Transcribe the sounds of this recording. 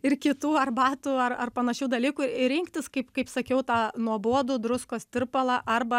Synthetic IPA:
ɪrkʲɪt̪uːɐrbɑːt̪uːɐrɐrpɐnɐʃʲuːd̪ɐlʲiːkuːɪɪɾʲɪŋkt̪ʲɪskɐɪpkɐɪpsɐkʲɛʊt̪ɑːnuɔboɔd̪ʊːd̪ɾʊskoːst̪ʲɪrpɐlˠɑʔɐrbɐ

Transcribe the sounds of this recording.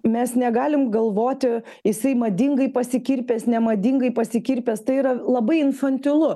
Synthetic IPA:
mʲɛsnʲɛɡɑːlʲɪmɡɐlˠʋoːt̪ʲɪ | jɪsɐɪmɐd̪ʲɪŋɡɐɪpɐsʲɪkʲiɾʲpʲeːsnʲɛmɐd̪ʲɪŋɡɐɪpɐsʲɪkʲiɾʲpʲeːst̪ɐɪiɾɐlˠɐbɐɪɪnfɐnʲt̪ʲɪlˠʊ

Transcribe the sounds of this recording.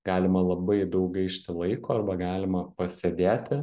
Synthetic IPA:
ɡ̥ɑːlʲɪmɐlˠɐbɐɪd̪ɐʊkɐɪʃʲt̪ʲɪlˠɐɪkoːɐrbɐɡɑːlʲɪmɐpɐsʲed̪ʲæːt̪ʲɪ

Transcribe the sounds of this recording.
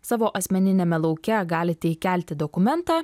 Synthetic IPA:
sɑːʋoːʔɐsʲmʲɛnʲɪnʲeːmʲɛlˠɒʊkʲɛɡɑːlʲɪt̪ʲɛikʲæːˑlʲt̪ʲɪd̪okʊmʲɛnt̪ɑː

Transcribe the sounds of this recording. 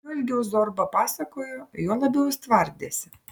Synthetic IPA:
ɐlʲɡʲɛʊzoɾbɐpɑːsɐkoːjojoɔlˠɐbʲɛʊst̪ʋɐɾʲd̪ʲeːsʲɪ

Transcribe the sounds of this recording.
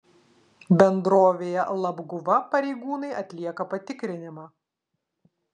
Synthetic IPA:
bʲɛnd̪ɾoːʋʲeːjɛ̰lˠɐbɡʊʋɐpɐɾʲɛɪɡuːnɐɪʔɐt̪ʲlʲiɛkɐpɐt̪ʲɪkɾʲɪnʲɪmɑː

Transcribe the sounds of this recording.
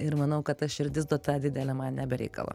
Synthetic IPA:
ɪɾmɐnɐʊkɐt̪ɐʃɪɾʲd̪ʲɪsd̪oːt̪ɑːd̪ʲɪd̪ʲɛlʲɛmɐnnʲɛbʲɛɾʲɛ̰ɪkɐ̰lˠɐ̰

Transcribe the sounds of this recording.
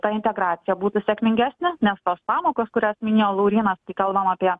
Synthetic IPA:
t̪ɑɪnʲt̪ʲɛɡɾɑːt̪sʲɪjɛbuːt̪ʊsʲɛkmʲɪŋʲɡʲæːsʲnʲɪnʲɛst̪oːspɑːmoːkoːskʊɾʲoːsmʲɪnʲeːjoːlˠɐʊɾʲiːnɐskɐɪkɐlˠbɐmaːpʲiɛ

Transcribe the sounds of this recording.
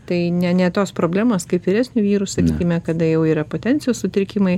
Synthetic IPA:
t̪ɐɪnʲɛnʲɛt̪oːspɾoːbʲlʲæːmoːskɐɪpʋʲɪɾʲæsʲnʲuʋʲiːɾusɐkʲiːkʲɪmʲɛkɐd̪ɐjɛʊiːɾɐpoːt̪ʲɛnʲt͡s̪ʲɪjoːssʊt̪ʲɾʲɪkʲɪmɐɪ

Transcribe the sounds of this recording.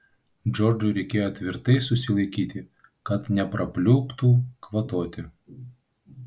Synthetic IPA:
d͡ʒɔɾd͡ʒʊɾʲɛɪkʲeːjoːt̪ʲʋʲɪɾt̪ɐɪsʊsʲɪlˠɐɪkʲiːt̪ʲɪ | kɐt̪nʲɛpɾɐpʲlʲʊːpt̪uːkʋɐt̪oːt̪ʲɪ

